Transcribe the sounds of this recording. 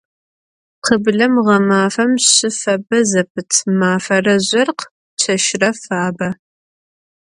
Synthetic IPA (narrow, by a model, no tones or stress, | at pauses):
qʰəbɮɐmʁɐmaːfɐmɪfɐbɐzɐpʰɨtʰmaːfɐrɐʑʷɐrq | t͡ʃʰɐʃrɐfaːbɐ